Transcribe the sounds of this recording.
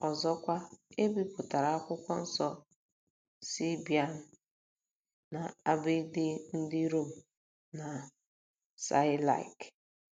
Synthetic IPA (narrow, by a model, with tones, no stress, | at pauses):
ɔ˨zɔ˦kʷa˦e˦bi˦pʊ˨ta˨ɾa˨˦a˦kʷʊ˦kʷɔ˦n̩˦sɔ˦ | si˦bi˨a˨n̩˦ | na˨a˦bɪ˦dɪ˦n̩˦dɪ˦ɾo˦˨m̩˨ | na˨ | sa̰˦ɪ˦la̰˨i˨k